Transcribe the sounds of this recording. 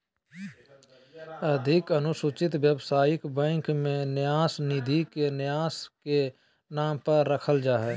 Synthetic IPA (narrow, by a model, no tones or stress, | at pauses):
əd̪ʱɪkənʊsʊt͡ʃɪt̪ʋjəwsaːjɪkbɛ̃ːŋkmẽnɪjaːsnɪd̪ʱikenɪjaːske | naːmpəɾːəkʰəld͡ʒaːɦɛː